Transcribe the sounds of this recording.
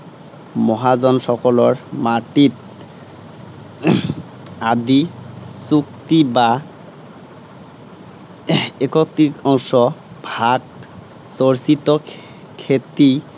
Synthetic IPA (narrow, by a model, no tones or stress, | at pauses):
mɔɦazɔnsɔkɔlɔɹmaʈit | ad̪isuk̚t̪iba | ekɔk̚t̪ikɔŋʃɔbʱaɡ | soɹsit̪ɔ | kʰet̪i